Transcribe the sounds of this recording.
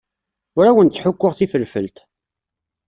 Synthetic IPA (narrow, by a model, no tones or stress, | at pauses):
ʊɾæwənt̪t͡sːħʊkʷːʊʁθifəlfəlt̪